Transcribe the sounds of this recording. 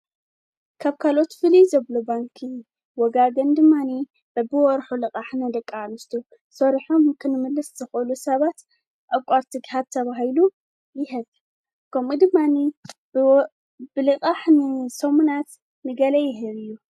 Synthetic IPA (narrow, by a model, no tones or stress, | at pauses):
kʰaβkʰalo̞t̪fɨlizɐβlobaŋkʰi | wɔɡaɡɐnd̪ɨmːani | bɐbɨwɔɾħulɨkʼaħnɐd̪ɐkʼːamɨst̪ʰu | sɐɾiħomkʰɨnɨmɨlːɨsz̥ɨxʔɨlusɐβat̪ | ʔakʼaɾt̪ʰɨɡhaβt̪ʰːɐβahilu | jɪɦɨβ | kʰɐmud̪ɨmːani | bɨlɨkʼaħnɨsɐmunat̪ | nɨɡɐlɐjɪɦɨβɨjːu